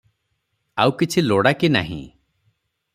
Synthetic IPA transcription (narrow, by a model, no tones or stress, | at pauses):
awkit͡ʃʰiloɽakina̰ɦḭ̃